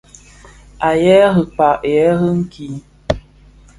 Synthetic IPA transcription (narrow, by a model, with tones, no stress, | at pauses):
a˨jɛ˦ɣə˨k͡pa˨ʔjɛ˨˦ɣə˦ŋ̩˦kʰi˨˦